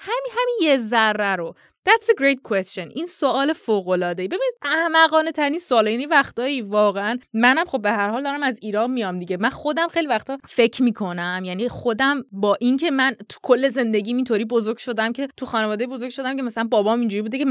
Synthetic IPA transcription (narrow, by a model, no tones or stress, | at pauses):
hæmiɦæminjezærːæɾo | d̪̥æt̪seɡɾejt̪̚kʰwest͡ʃenʔinsoʔɒːle̞foːɣo̞lɒːd̪ejbe̞biːnid̪̥ʔæhmæɣɒːnet̪ʰæɾininsoːlɒjænivæxt̪ɒːivɒːɣeænmænæmχo̞bːe̞hæɾhɒːld̪ɒːɾæmæziːɾɒːnmijɒmd̪iɟe̞mænxo̞d̪æmxe̞jlivæxt̪ɒːfe̞cʰmiːkʰo̞næmjæniχo̞d̪æmbɒːʔincʰe̞mænt̪ʰu̥kʰolːe̞ze̞nd̪e̞ɟʲiːmint̪ʰoɾiːbo̞zo̞ɾɡ̥ʲʃo̞d̪æmcʰe̞t̪ʰuxɒːnevɒːd̪ejebo̞zo̞ɾɡ̥̚ʲʃo̞d̪æmcʰe̞mæsælænbɒːbɒːmind͡ʒuɾibuːd̪ecʰe